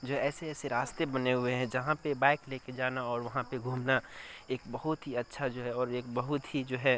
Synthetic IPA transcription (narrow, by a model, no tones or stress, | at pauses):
d͡ʒoːɦɛɛːseɛːseɾaːst̪ebɐneɦʊeɦɛ̃d͡ʒɐɦãpebaːɪkleːked͡ʒaːnaɔːɾʋɐɦãpeɡʱuːmnaeːk̚bɐɦʊt̪ɦiɐtːʃʰad͡ʒoːɦɛɔːɾeːk̚bɐɦʊt̪ɦid͡ʒoːɦɛ